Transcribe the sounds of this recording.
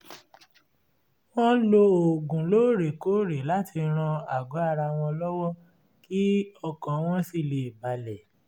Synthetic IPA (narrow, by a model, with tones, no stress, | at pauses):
w̃ɔ̃˦lo˧o˨ɡũ˨lo˦˨ɾe˨ko˨˦ɾe˨˦la˦ti˧ɾ̃ã˧a˨ɡɔ˨˦a˦˧ɾa˧w̃ɔ̃˧lɔ˦wɔ˦ | ki˦ɔ˧kã˨˦w̃ɔ̃˦si˦˨le˧˨i˨ba˨lɛ˨